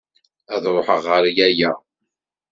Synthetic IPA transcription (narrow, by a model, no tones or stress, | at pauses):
æðɾˤoħəʁːəɾjæjæ